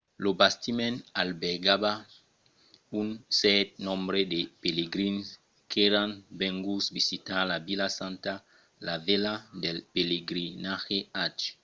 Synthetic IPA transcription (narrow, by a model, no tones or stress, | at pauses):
lobast̪imɛ̃nalbeɡaba | unsɛt̪̚nɔ̃mbɾedepeleɡɾins | kʰeɾãnbɛ̃ŋɡusvisitalabilasãnta | laveladelpeleɡɾinaxeat͡ʃ